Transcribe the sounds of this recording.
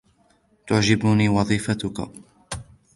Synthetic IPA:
t̪ʊʕd͡ʒɪbʊniːwɑðˤiːfat̪ʊka̰

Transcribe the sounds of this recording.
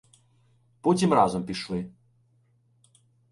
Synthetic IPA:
pɔt͡sʲimrazɔmpʲiʃlˠɨ

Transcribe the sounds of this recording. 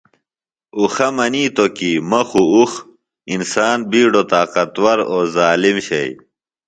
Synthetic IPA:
uxɐmɐniːt̪okimɐxuux | insaːnbiːɖot̪aːqɐt̪wɐɾoːzaːlimɕɐ̰j

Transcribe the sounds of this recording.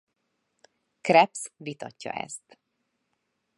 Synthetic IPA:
krɛpsvit̪ɒcːɒ̰ʔɛ̰st̪

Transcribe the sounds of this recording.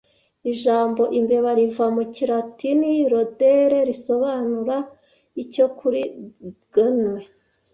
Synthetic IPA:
iʒaːmbo̞ʔimbe̞βaɾivamuciɾatiniɾo̞deɾe̞ɾiso̞βanuɾa | ico̞kʰuɾiɡ̥anwe

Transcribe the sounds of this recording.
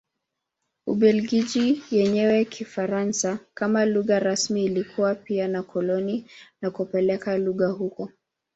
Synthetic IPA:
uɓɛlɡiʄijɛɲɛwɛkʰifaɾansakamaluɣaɾasmiːlikʰuwapianakʰɔlɔninakupɛlɛkaluɣahukɔ

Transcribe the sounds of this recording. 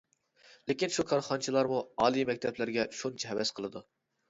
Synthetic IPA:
lɪkʲinʃukʰɑɾχɑnt͡ʃʰilˠɑɾmuɑːlˠijmɛkʲt̪ʰɛplɪɾɡʲɛʃunt͡ʃʰɛɦɛvɛsqʰəlˠɨd̪u

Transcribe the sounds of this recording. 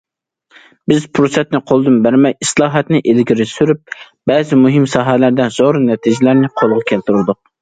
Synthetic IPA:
bɪzpʰɾosɛt̪nɪqʰolˠd̪ɨmbæɾmɛjislˠɑːɦɛt̪nɪʔelɡʲiɾɪsyɾyp̚ | b̥ɛzɪmuɦɪmsɑːɦɛlæɾd̪ɛzoɾɨnɛt̪ʰid͡ʒɪlæɾnɪqʰolˠʁɑkʲʰɛlt̪yɾlˠd̪ʊq̚

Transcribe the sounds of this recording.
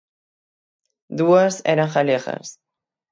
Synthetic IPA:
d̪uaseɾaŋxaleɣa̰s

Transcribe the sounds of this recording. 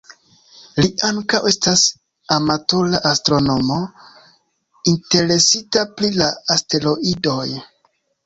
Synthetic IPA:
liʔaŋkawe̞stas | amato̞laʔastɾo̞no̞mo̞ | inte̞ɾe̞sitapɾilaːste̞lo̞ʔido̞j

